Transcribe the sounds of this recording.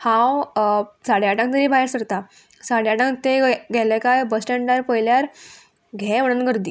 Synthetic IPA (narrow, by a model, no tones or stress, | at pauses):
hãwsaɽjaʈãŋkt̪əɾiːbʱaɦeɾsəɾt̪a | saɽjaʈãŋk̚t̪eɡʱɛlɛ̃kajbəsʈɛɳɖəɾpəjljaɾ | ɡʱɛəɽ̃ənɡəɾd̪iː